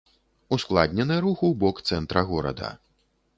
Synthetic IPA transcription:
usklˠa̰d̪ʲnʲɛnɨjɐɾuxuwbɔkt̪sɛnt̪ɾɐɣɔɾɐ̰d̪ɐ̰

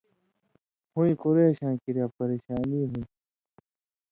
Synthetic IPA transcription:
hũĩkoɾeːɕãːkiɾjaːpɐɾeːɕaːniːɦũn

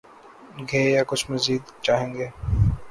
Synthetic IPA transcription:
ɡʱeːjakʊt͡ʃʰmɐziːd̪t͡ʃaːɦẽːŋɡeː

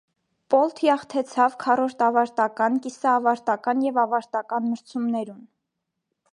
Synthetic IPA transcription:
pɔlt̪ʰjɑχt̪ʰɛt͡sʰɑvkʰɑrɔɾt̪ɑvɑɾt̪ɑkɑnkisɑːvɑɾt̪ɑkɑnjɛvɑvɑɾt̪ɑkɑnməɾt͡sʰumnɛɾun

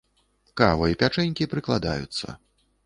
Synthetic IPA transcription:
kavɐipʲat͡ʂɛnʲkʲipɾɨklˠad̪a̰jut̪sːɐ̰

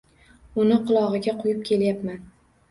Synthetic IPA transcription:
ʊnɪqʰʊlˠɒʁɨɡʲaqʰʊjɪp̚kʲʰe̞ljapman

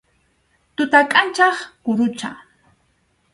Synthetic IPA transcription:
t̪ʊt̪akʼant͡ʃɑχkʊɾʊt͡ʃa̰

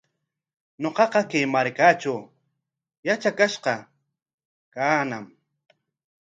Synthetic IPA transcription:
ɲoqɑqɑkejmaɾkat͡ʃʊ | jat͡ʃakaʃqɑ | kanam

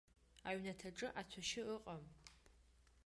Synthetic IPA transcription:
aɥnatʰaʈ͡ʂʼɨʔat͡sʷʰaʃɪəqʼɐm

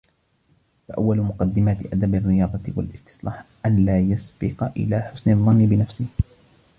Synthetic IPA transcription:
faʔawːalʊmʊqɑd̪ːɪmaːt̪ɪʔad̪abɑrːɪjɑːd̪ˤɑt̪wa̰lʔɪst̪ɪ̥sˤlɑ̰ːħʔanlaːjasbɪqɑʔɪ̰laːħʊsnɑðˤːɑnːɪbɪnafsɪh

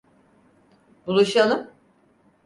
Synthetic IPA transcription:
bulˠuʃalˠɯm

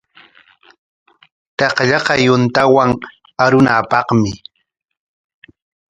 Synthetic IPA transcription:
t̪ɑqʎɑqɑjʊnt̪awaŋ | aɾʊnapɑχmɪ

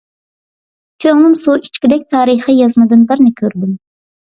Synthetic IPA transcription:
kʲʰøŋlˠɪmsuit͡ʃkʲid̪ɛk̚ʲt̪ʰɑːɾɨχijɑzmɨd̪ɨnbɪɾnɪkʲʰøɾd̪ym

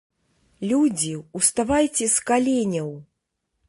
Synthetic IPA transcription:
lʲud͡zʲiuwst̪avajt͡sʲɛskalʲenʲɐw

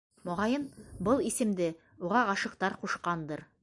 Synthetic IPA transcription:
mŏʁɑjɤnbɤlˠisɘ̆md̪ɘ | uʁɑɑʃɤ̆qt̪ɑɾquʃqɑnd̪ɤɾ

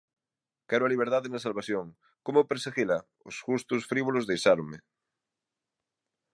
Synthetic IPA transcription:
kɛɾoaliβ̞eɾðaðenasalβaθjoŋ | komopeɾseɣila | o̰sʝust̪ʊsfɾiβolozðejsaɾome

